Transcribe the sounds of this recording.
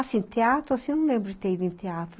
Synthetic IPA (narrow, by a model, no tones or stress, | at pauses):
asẽnt̪eat̪ɾʊasĩnɐ̃w̃lẽmbɾʊɪt̪eid̪ʊẽt̪eat̪ɾ